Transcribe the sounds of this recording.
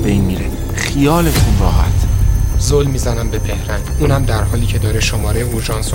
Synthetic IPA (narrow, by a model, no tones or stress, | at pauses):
bejnmiːɾe | xijɒːlet̪ʰunrɒːɦæ̰t̪ʰzolmiːzænæmbe̞behɾænd̪uːnhæmd̪æɾɦɒːliːcʰe̞d̪ɒːɾeʃomɒːɾejeoɾʒɒːnso